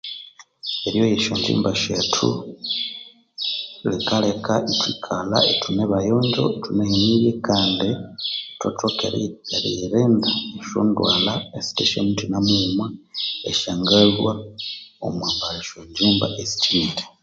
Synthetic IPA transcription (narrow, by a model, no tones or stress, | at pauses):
eɾjo̞jeʃoɲd͡ʒḭːmbaʃatʰṵ | likalekaʔitwikʰalaetʰuneβajoːɲd͡ʒo̞̰etuneheniβjekaːndito̰tokḛjaɾieɾeːndaeʃo̰ːndwaːlaesi̥teʃo̰nitinamumwaeʃaːŋɡalwao̰mwaːmbaleʃoɲd͡ʒiːmba̰ʔesi̥tʰiɾe